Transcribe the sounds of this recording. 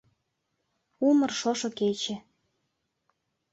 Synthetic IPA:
umɤ̆rʃoʃoket͡ɕĕ

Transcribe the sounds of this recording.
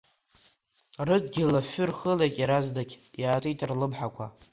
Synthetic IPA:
rɨdɡʲɪlafʏrχəlejkʼiɾazdakʲjaːtʼitʼrlɨbħakʷʰa̰

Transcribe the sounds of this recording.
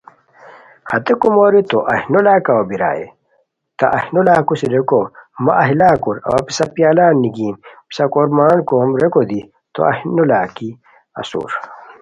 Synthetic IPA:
hɐt̪ekumoɾit̪oʔɐhinolaːkɐɐbiɾa̰ːḛ | t̪ɐ̰ʔɐhnulaːkusiɾekomɐʔɐɦilaːkuɾɐ̰wɐpisɐpjaːlaːnːiɡiːnpi̥sɐkoɾmaːnkomɾekod̪i | t̪o̰ɐ̰hnulaːki | ɐ̰sṵːɾ

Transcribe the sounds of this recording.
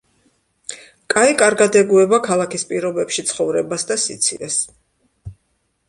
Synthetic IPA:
kʼaikʼaɾɡad̪ɛɡuɛbakʰalˠakʰispʼiɾɔbɛpʃit̪sʰχɔvɾɛbasd̪asḭt̪sʰḭlɛs

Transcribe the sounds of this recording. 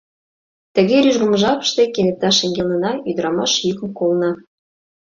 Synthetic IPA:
t̪ə̆ɣeɾyʒɣə̆mə̆ʒɑpə̥̆ʃt̪ekenet̪ːɑʃeŋɡʲelnɤ̆nɑyd̪ə̆ɾɑmɑʃjykə̆mkolnɑ

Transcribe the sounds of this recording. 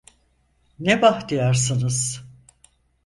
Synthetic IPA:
nebaht̪ijaɾsɯnɯz̥

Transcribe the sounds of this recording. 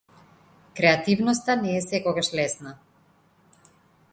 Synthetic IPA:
kɾɛat̪ivnɔst̪anɛːsɛkɔɡaʃlɛsna

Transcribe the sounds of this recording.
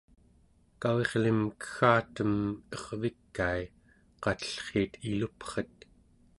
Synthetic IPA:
kawe̞ʁlimkə̥xaːt̪əmʌʁvikːai | qɑt̪ə̥ɬχeːt̪ʰilupχət̪̚

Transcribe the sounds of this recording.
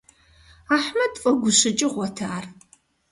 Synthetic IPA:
aːħmɐdfʼɐɡʷʊɕɨt͡ʃʼɪʁʷɔtʰaːr

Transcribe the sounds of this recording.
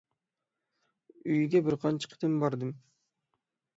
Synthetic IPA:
yjɡʲebɪɾqʰɑnt͡ʃɯ̥qt̪embɑɾd̪ɯm

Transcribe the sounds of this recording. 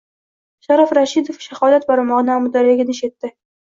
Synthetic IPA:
ʃaɾafɾaʃid̪ofʃahɒd̪at̪̚baɾmɒʁɨnaamʊd̪aɾɪɡʲɪnɪʃet̪ːɪ

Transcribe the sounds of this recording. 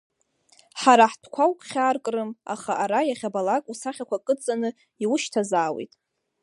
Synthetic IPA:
ħaɾaħtʰkʷʰawkʰʼχʲaːrkʼrɨma̰χaʔaɾajaχʲabalakʼusaχʲakʷʰakʼɨt͡sʼanɨ | iwʊʃtʰazaːwḛjtʼ

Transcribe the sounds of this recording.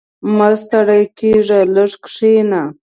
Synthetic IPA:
mast̪aɽajkeʐaləʐkʂena

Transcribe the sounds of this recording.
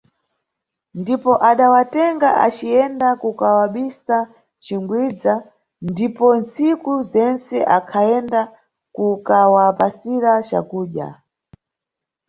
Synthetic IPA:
ndipɔʔaɗawatɛŋɡaʔa̰t͡ʃiɛndakukawaɓisa | t͡ʃiŋɡwid͡za | ndipɔnt͡sikuzɛnt͡sɛʔakʰaɛnda | kukawapasiɾat͡ʃa̰kuːɗja̰

